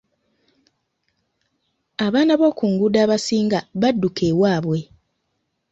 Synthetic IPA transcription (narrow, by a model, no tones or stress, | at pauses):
aβaːnaβo̞ːkuŋɡudaːβasiːŋɡaβadːukʰe̞ːwaːβwe̞